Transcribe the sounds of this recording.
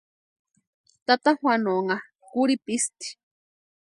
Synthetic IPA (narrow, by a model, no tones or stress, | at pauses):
t̪at̪ahwanoŋa | kuɾipist̪i̥